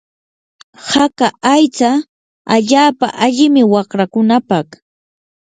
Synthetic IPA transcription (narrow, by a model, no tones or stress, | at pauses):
hakaʔajt͡sa | aʎaːpa̰ʔaʎɪmɪwɑχɾakʊnapɑq